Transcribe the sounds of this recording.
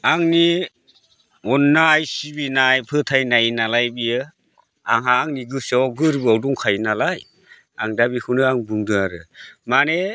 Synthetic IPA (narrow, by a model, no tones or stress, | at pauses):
aŋni | ɔnːajsibinajpʰɯtʰajnajnalajbijɯ | aŋɦaːŋniɡɯsawɡɯɾbɯawdɔŋkʰajnalaj | a̰ŋdabikʰɯnɯaŋbɯŋdɯŋaɾɯmane